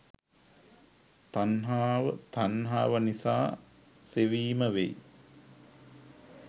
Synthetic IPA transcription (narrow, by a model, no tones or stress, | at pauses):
t̪anɦaːʋət̪anɦaːʋənisa̰ː | seʋiːməʋḛ